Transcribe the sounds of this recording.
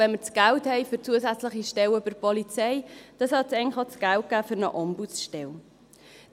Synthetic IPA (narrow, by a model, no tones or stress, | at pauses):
vɛnməɾt͡sɡ̥ælthɛɪfʏɾt͡suəsæt͡sləχiʃtɛwøbəɾpɔlit͡sɛɪd̥ɑsɑt͡sɛɪŋχɑt͡sɡ̥ælt̚ɡ̥æːfʏɾnə̰ʔɔmbut͡sʃtɛl